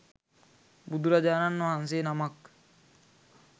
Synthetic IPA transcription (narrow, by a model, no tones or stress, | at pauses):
bud̪uɾad͡ʒananːoɦans̬eːnamak